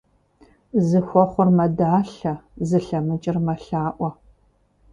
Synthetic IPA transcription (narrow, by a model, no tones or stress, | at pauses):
zɨxʷɔχʷʊrmɐdaːɬɐzɨɬɐmɨt͡ʃʼɪrmɐɬaːʔʷɔ